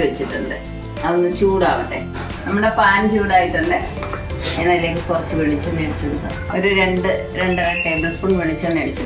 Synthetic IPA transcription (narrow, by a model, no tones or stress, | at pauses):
ʋet͡ɕːiʈːɨnɖɨ | ɐðonːɨt͡ɕuːɽa̰ːʋɐʈːḛ | nɐmːɐɽepaːɲd͡ʑuuɽaːjit̪ɐnːe | enːaːile̞ːkːɨk̪urɐt͡ɕːɨʋeɭit͡ɕːanːeɽit͡ɕːuɽunːɐ̰oɾuɾeɳɖɨ | ɾe̞ɳɖɐlaʈːɐjmɐspuɳʋeɭit͡ɕːaːneɽit͡ɕːu